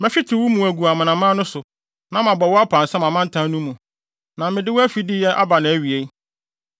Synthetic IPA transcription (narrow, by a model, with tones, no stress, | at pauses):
mɛ̃˦fɪ˦tʰɪ˨wu˦mũ˨æ˨ɡu˨a˨mã˨nã˨mã˦nʊ̃˦sʊ˨ | nã˦mã˨bɔ˨wɔ˦a˦pʰã˨n̩˨sɛ̃˦mã˨mã˦n̩˦tʰã˦nũ˦mũ˨ | nã˨mɪ̃˨dɪ˦wɔ˦æ˦fi˨dɪ˦jɛ˦ʔa˦ba˨nɪ̃˨˦æ˨ɥi˨e˦